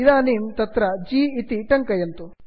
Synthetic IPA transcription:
id̪aːniːmt̪ɐt̪ɾɐd͡ʒiːt̪iʈɐŋkɐjɐnt̪u

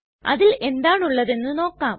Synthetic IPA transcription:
ɐ̰ðile̞nd̪aːɳuɭːɐðe̞nːɨno̞ːkːaːm

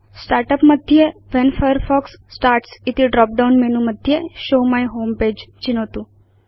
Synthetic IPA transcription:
sʈaɾʈəpməd̪ʱjeʋɛnfajəɾfɔksːʈaːɾʈsɪt̪iɖɾɔp̚ɖawnmɛnũməd̪ʱjeʃoːmajɦoːmpeːd͡ʒt͡ʃinot̪ũ

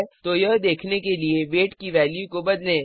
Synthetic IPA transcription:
t̪ojɐɦd̪eːkʰnekelieʋeːʈkiʋɛːljukobɐd̪lẽː

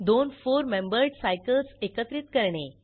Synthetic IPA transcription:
d̪onfoɾmembəɾɖsajkəlsekət̪ɾit̪kəɾɳe

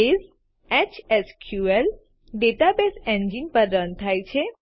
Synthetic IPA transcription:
ez | et͡ʃeskʰjuel | ɖeʈabeseɲd͡ʒinpəɾənt̪ʰajt͡ʃʰe

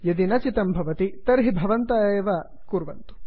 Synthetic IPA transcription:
jɐd̪inɐt͡ʃit̪ɐmbʱɐʋɐt̪it̪ɐɾɦibʱɐʋɐnt̪aːeːʋɐ | kuɾʋɐ̰nt̪u̥

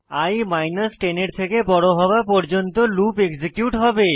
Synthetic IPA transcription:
ajmajnasʈeneɾt̪ʰekebɔɽoɦɔbapɔɾd͡ʑont̪olupeɡsekjuʈɦɔbe

